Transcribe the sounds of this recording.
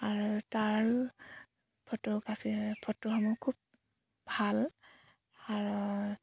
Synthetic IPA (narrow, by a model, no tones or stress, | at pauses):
aɹutaɹ | pʰɔtuɡasipʰɔtːuɦɔmɔkʰub̚ | bʱal | aɹu